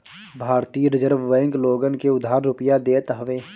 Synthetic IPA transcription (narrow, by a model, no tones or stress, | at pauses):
bʱaːɾt̪iːɾɪd͡ʒəɾbʋɛ̃ːŋkloːɡənkeʊd̪ʱaːɾːʊpəjad̪eːt̪ɦəʋeː